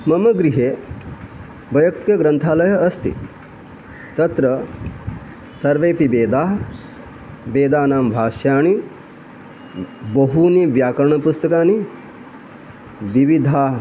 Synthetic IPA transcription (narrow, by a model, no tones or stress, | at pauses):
mɐmɐɡɾiɦeː | bɐjɐk̚t̪ikɐɡɾɐnt̪ʰaːlɐjɐɐst̪ḭ | t̪ɐt̪ɾɐ | sɐɾʋeːpibeːd̪aːɦ | beːd̪aːnaːmbʱaːʃjaːɳ̃i | bɐɦuniʋjaːkɐɾɳ̃ɐpust̪ɐkaːni | ʋiʋid̪ʱaː